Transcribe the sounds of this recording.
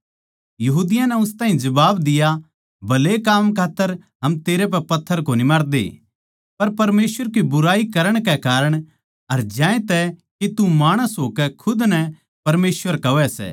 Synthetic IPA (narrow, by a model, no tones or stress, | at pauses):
jɐɦuːd̪ɪjãnɛʊst̪aːɦĩd͡ʒɐbaːbd̪ɪja | bɐlekaːmkʰaːt̪ːəɾɦɐmt̪eːɾep̬ɛpɐt̪ʰːəɾkonimaːɾd̪ḛː | pɐɾpɐɾmeːsʋəɾk̬ibʊɾaːikɐɾəɽ̃kɛkaːɾəɽ̃ | ɐɾd͡ʒãːẽt̪ɛkit̪umaːɽ̃əsɦoːkɛkʰʊd̪nɛ | pɐɾmeːsʋəɾkɐʋɛsɛ̰ː